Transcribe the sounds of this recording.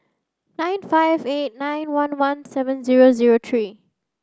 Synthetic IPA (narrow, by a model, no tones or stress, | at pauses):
nãɪ̃nfaɪveːʈ̚nãɪ̃nwʌ̃nwʌ̃nsɛʋə̃nziːɾoziːɾoːt̪ʰɹiː